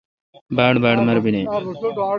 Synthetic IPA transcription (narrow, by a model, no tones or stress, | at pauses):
baːɽbaːɽmɐɾbineː